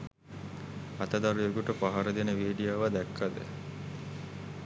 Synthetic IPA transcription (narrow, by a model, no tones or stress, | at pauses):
ɐt̪əd̪aɾujeɡuʈəpaɦaɾəd̪enəʋiːɖijaːʋad̪ækːad̪ə̰